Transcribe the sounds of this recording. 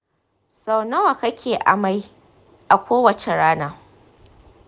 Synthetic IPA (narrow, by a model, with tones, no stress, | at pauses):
sa˨wnɐ˦wa˨kɐ˦kʲʰeː˨ʔa̰˨ma˦j | ʔa˨kʷoː˦wɐ˨t͡ʃe˨ɽaː˦naː˦